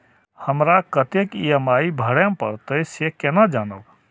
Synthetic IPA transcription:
həmɾakət̪ekiəmaibʱəɽempə̰ɾt̪əsekenad͡ʒanə̰w

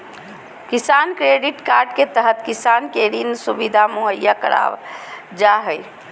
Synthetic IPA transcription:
kisankɾeɖiʈkaɾɖket̪əɦət̪kisankeɾinsubid̪ʱamoɦəjːakə̰ɾa̰ʋ | d͡ʒaɦəj

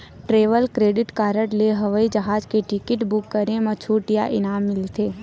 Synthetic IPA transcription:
ʈɾeːʋəlkɾeːɖɪʈkaːɾəʈleɦəʋəid͡ʒɐɦaːd͡ʒkeʈɪkɪʈbʊkːəɾẽmət͡ʃʰuːʈɪja̰ʔɪnaːmːɪlt̪ʰeː

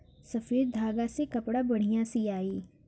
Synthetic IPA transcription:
sɐfiːɾd̪ʱaːɡasekɐpɽabɐɽ̤ijãsiaːiː

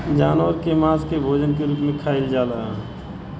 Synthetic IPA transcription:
d͡ʒaːnʋəɾkemaːskebʱoːd͡ʒənkeɾuːpmẽkʰaːɪld͡ʒaːlaɛ

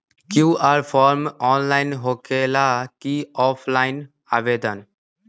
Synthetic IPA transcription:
kuʔaɾpʰɔːɾmɔːnlaːɪnɦokelakiɔːpʰlaːɪn | aʋed̪ən

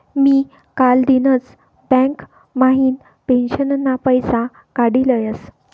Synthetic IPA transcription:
miː | kald̪inət͡s | bɛ̃ŋk | maɦiːn | penɕənənːapəjsa | kaɽiləjəs

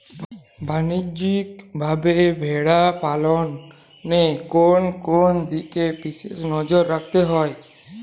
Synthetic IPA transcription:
bʱanid͡ʒikbʱabebʱeɽapalɔnː | ekonkond̪ikepisḛnɔd͡ʒɔɾːak̚ʰt̪eɦɔj

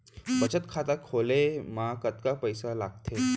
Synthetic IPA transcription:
bət͡ɕət̪kʰat̪akʰolemakət̪kapəjsalaɡ̚t̪ʰe

